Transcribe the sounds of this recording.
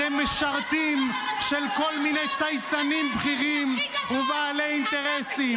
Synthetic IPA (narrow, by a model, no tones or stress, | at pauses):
emeʃaʁt̪im | ʃelko̞lminejt͡sajtanimbχiʁimuvaːleint̪eʁesi